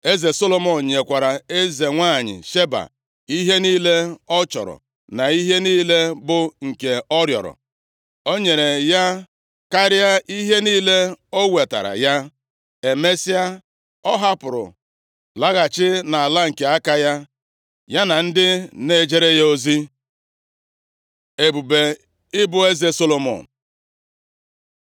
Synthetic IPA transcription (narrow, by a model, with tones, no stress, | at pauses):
e˦ze˨so˦lo˦mɔ˨n̩˨ɲe˨kʷa˨ɾa˨e˦ze˨ŋʷa˦˨ɲɪ̰˨ʃe˦ba̰˨ | i˦ɦe˦niː˦le˦ɔ˦t͡ʃɔ̰˨ɾɔ̰˨ | na˨i˦ɦe˦niː˦le˦bʊ˨ŋ̩˨ke˨ɔ˦ɾjɔ̰˨ɾɔ̰˨ | o˦ɲe˨ɾe˨ja˦ | ka˦ɾja˦i˦ɦe˦niː˦le˦o˦we˨ta̰˨ɾa̰˨ja˦ | e˨me˦si˦a˦ | ɔ˦ɦa˦pʊ˨ɾʊ̰˨ | la˦ɣa˨t͡ʃɪ˦na˨a˨la˦ŋ̩˨ke˨a˦ka˦ja˦ | ja˦na˨n̩˦dɪ˦ne˦˨d͡ʒe˦ɾe˦ja˦o˦zi˦ | e˨bu˨be˨ | ɪ˦bʊ˦e˦ze˦so˦lo˨mo̰˨n˨